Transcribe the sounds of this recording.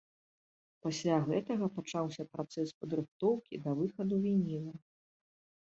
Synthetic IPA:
pasʲlʲaɣɛt̪ɐɣɐpat͡ʂawsʲɐpɾat̪sɛspɐd̪ɾɨxt̪ɔwkʲḭd̪ɐvɨxɐd̪uvʲinʲilˠɐ

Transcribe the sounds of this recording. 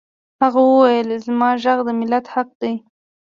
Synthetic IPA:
haɣawəwajəlzmɑʒaɣd̪əmɪlat̪haq̚d̪aj

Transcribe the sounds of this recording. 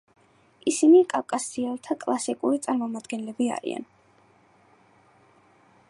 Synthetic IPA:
isinikʼawkʼasiɛlˠt̪ʰakʼlˠasikʼuɾit̪sʼaɾmɔmad̪ɡɛnlɛbia̰ɾḭa̰n

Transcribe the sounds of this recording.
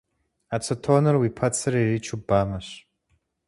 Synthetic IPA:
at͡sʰɐtʰoːnɨrwipʰɐt͡sʰɨririt͡ʃʰubaːmɐɕ

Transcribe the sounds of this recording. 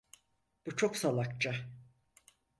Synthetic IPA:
b̥ut͡ʃʰo̞ksalˠakt͡ʃa

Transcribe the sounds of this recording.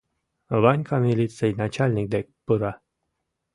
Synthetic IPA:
vanʲkʰamʲilʲit̪sɨjnat͡ɕalʲnʲik̚d̪ek̚pɯɾa

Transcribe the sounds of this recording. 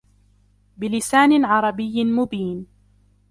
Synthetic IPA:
bɪlɪsaːnɪʕɑɾˤɑbɪjːmʊbiːn

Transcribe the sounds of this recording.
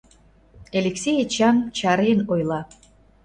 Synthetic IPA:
elʲeksʲejet͡ɕɑmnt͡ɕɑɾenojlˠɑ

